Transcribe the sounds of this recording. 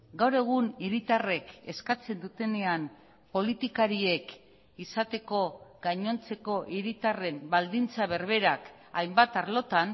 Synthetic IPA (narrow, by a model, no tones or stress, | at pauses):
ɡawɾe̞ɣ̞uniɾit̪are̞ke̞skat͡se̞nd̪ut̪e̞ne̞am | po̞lit̪ikaɾie̞k | isat̪e̞ko̞ɡaɲo̞nt͡se̞ko̞ʔiɾit̪are̞mbald̪int͡saβ̞e̞ɾβ̞e̞ɾak | ajmbat̪aɾlo̞t̪an